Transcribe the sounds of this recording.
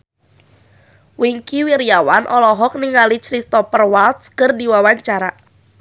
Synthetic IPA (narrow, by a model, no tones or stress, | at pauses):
wiŋkiwiɾiawanʔɔlɔɦɔk̚niŋalit͡ʃɾist̪ɔpərwalt̪skɨrdiwawaɲt͡ʃaɾa